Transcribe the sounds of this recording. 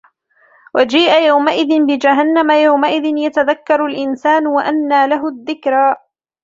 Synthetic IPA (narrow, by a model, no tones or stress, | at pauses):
wad͡ʒiːʔajawmaʔɪðɪnbɪd͡ʒaɦanːamajawmaʔɪðɪnjat̪aðakːɑɾˤalʔɪnsaːnwaʔanːaːlaɦʊðːɪkɾaː